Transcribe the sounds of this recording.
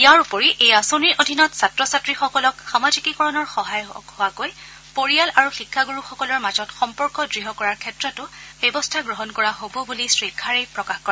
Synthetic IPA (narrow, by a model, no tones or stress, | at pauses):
ijaɹupɔɹiʔejasoniɹʔodʱinɔtsatɹɔsatɹixɔkɔlɔkxamazikikɔɹɔnɔɹxɔɦajhʊwakoj | poɹijalaɹuxikʰːaɡuɹuxɔkɔlɔɹmazɔtxɔmpɔɹkɔdɹiɦɔkɔɹaɹkʰɛtɹɔtʊb̥ɛbɔstʰaɡɹɔɦɔnkɔɹaɦobɔbulisɹikʰːaɹejpɹɔkaxkɔɹɛ